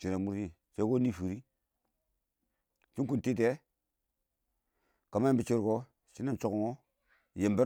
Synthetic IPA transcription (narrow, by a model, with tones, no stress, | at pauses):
t͡ʃi˨na˨mu˦ɾti˦ | t͡ʃe˦ko˦ni˦˨fu˨ɾi˦ | t͡ʃi˦ŋku˨nti˦t̬e˦ | ka˨ma˦e˦mbi˦t͡ʃi˦ɾko˦ | t͡ʃi˦na˦nt͡ʃo˨ko˨ŋo˦ | je˨mbi˦